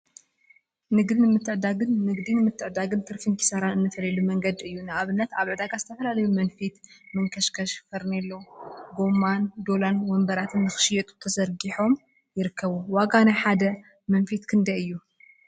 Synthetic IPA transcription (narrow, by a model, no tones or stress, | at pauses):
nɨɡd̪inɨmɨt̪ʰːɨʕd̪aɡɨnːɨɡd̪inɨmɨt̪ʰːɨʕd̪aɡɨnt̪ʰɨɾfinkʰi̥saɾanɨnːɨfɐlɐlumɐŋɡɐd̪ɨjːunɨʔaβɨnːɐt̪aβʕɨd̪aɡazɨt̪ʰɐfɐlalɐjumɐnfit̪mɨŋkʰɐʃkʰɐʃfɐɾnelːoɡo̞mːand̪o̞lanwɔmbɐɾat̪ʰɨnːɨxɨ̥ʃjɛt̪ʼu̥t̪ʰɐzɐɾɡiħo̞m | jɪɾɨkʰːɐβuwaɡanajħad̪ɐ | mɐnfit̪kʰɨnd̪ɐjɨjːu